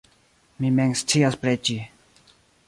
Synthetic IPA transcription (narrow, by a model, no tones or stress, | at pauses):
mimɛŋstʰiaspɾet͡ʃi